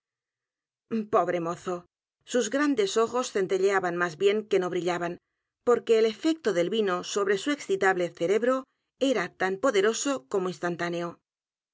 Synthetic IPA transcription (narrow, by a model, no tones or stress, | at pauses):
po̞β̞ɾe̞mo̞θo̞ | suzɣɾand̪e̞so̞xosθe̞nt̪e̞ʎeaβanmazβje̞ŋke̞no̞βɾiʎaβan | po̞ɾke̞ːle̞fe̞k̚t̪o̞ðe̞lβino̞so̞βɾe̞sue̞ksθit̪aβle̞θe̞ɾe̞βɾo̞ | e̞ɾat̪ampo̞ðe̞ɾo̞so̞ko̞moinst̪ant̪ane̞o